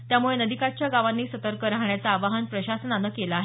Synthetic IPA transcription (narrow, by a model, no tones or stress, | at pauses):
t̪jamuɭenəd̪ikat͡ɕjaɡaʋanːiːsət̪əɾkəɾaɦɳjat͡saːʋaɦənpɾəɕasənanəːkelaːɦe